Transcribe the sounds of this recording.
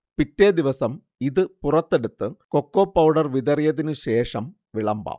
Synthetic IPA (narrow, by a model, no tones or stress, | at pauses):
pitːed̪iʋɐsɐm | iðɨpurɐt̪ːe̞ɽut̪ːɨkokːoːpːɐwɽɐrʋiðɐrijɐðinɨɕe̞ːʂɐm | ʋiɭɐmba̰ː